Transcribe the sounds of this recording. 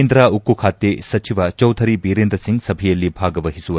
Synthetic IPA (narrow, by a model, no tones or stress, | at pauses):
nd̪ɾaukːukʰaːt̪ːesɐt͡ʃiʋɐt͡ʃɐwt̪ʰɐɾibiːɾeːnd̪ɾɐsiŋɡsɐbʱijɐlːibʱaːɡɐʋɐɦisuʋɐ